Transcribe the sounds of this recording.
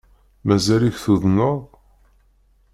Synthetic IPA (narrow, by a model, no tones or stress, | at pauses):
mæzæliçθuðnoðˤ